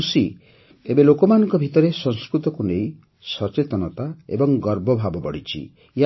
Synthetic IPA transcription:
usi | ebelokɔmanɔŋkɔbʱit̪ɔɾesɔŋskɾut̪ɔkunej | sɔt͡ʃet̪ɔnɔt̪aḛbɔŋɡɔɾbʱɔbʱabɔbɔɽit͡ʃʰḭ | ja

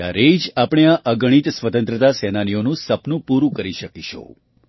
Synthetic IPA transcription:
a̰ɾed͡ʒapɽ̃eaʔəɡəɽ̃it̪sʋət̪ə̃nt̪ɾət̪asɛnanijonũsəpnũpuɾũkəɾiʃəkiʃʰo̰

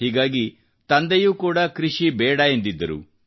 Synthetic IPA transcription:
ɦiːɡaːɡi | t̪ɐnd̪ɐjuːkuːɽɐkɾiʂibɛːɽɐend̪id̪ːɐɾṵ

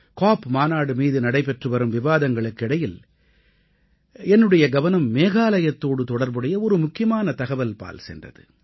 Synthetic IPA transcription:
kaːpmaːnaːɽɯmiːðɯnɐɽɐɪpɛʈrɯʋɐɾɯmʋɪʋaːðɐŋɡɐɭɯkːɪɽɐjɪl | ɛnːɯɽɐjɐɡɐʋɐnɐmːeːɣaːlɐjɐt̪ːoːɽɯt̪ɔɽɐɾbɯɽɐjɐɔɾɯmʊkːɪjɐmaːnɐt̪ɐɣɐʋɐlpa̰ːlsɛ̰ndrɐ̰ðɯ̰

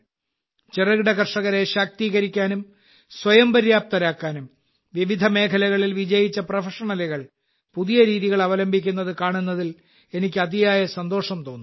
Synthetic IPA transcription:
t͡ɕerɐɣiɽɐkɐrʂɐɣɐɾeɕak̚t̪iːɣɐɾikʲːaːnum | swɐjɐmbɐɾjaːp̚t̪ɐɾaːkːaːnum | ʋiʋid̪ʱɐme̞ːkʰɐlɐɣɐɭilʋid͡ʑɐjit͡ɕːɐprɐfɐʂɐɳɐliɣɐɭ | puðijɐɾiːðiɣɐɭɐʋɐlɐmbʱikʲːunːɐðɨkaːɳunːɐðil | e̞nikʲːɨɐd̪ijaːjɐsɐnd̪o̞ːʂɐmt̪o̞ːnːu

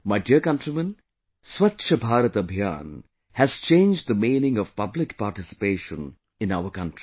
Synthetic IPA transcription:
maɪɖiəkɐ̃nʈɾimə̃n | swɐtːʃʰəbʱaːɾət̪ɐbʱjã̰ːn | hæz̥t͡ʃẽːnd͡ʒd̪əmĩːnɪ̃ŋɔʋpʌblɪkpaːʈɪsɪ̥peːʃə̃n | ɪ̃naʊəkʌ̃nʈɾi̥

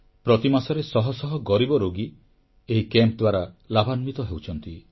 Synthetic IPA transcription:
pɾɔt̪imasɔɾesɔɦɔsɔɦɔɡɔɾibɔɾoɡi | eɦikemp̚d̪waɾalabʱanmit̪ɔɦewt͡ʃʰɔnt̪i

